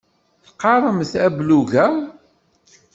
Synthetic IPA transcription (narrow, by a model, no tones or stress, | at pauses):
θqːɑɾˤəmθæbluɣæ